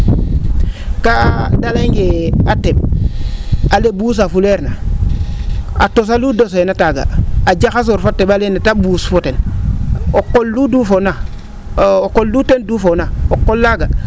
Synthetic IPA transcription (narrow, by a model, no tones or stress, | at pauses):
kadaleŋɡeateb̚ | alebus̬afuleɾna | a̰tos̬aludos̬oenataɡa̰ad͡ʒakas̬oɾfotːeɓalenatabusfoten | okːolːudufona | okːoldutendufonaokːolːaɡa